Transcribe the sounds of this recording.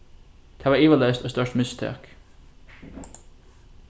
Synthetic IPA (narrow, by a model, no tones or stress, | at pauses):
t̪ʰæːʋɑːiːʋəlœːst̪oːst̪œʈmʏst̪ʰḛːk